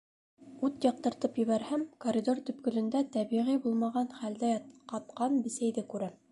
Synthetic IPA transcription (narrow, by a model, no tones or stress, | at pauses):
ʉt̪jɑq̚t̪ɤ̆ɾt̪ɤpjɘ̆βæɾhæmkoɾʲid̪ort̪ɵ̆p̚kɵ̆lɵ̆nd̪æt̪æβiʁibulˠmɑʁɑnχæld̪æjɑt̪qɑt̪qɑnbɘ̆sæjðɘkʉɾæm